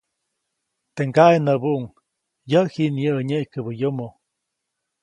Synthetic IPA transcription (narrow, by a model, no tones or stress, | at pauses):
t̪eŋɡaenəbuʔuŋ | jəhiʔnjəɲeʔjkəbəjomo